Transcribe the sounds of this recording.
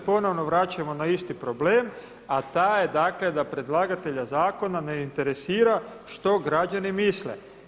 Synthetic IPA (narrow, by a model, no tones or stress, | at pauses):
po̞no̞ʋno̞ʋɾat͡ɕamo̞naist̪ipɾo̞ble̞ːm | at̪aːjed̪akle̞d̪apɾe̞d̪lˠaɡat̪e̞ʎazaːko̞naneint̪e̞ɾe̞siːɾaʃt̪o̞ɡɾad͡ʒanimislḛ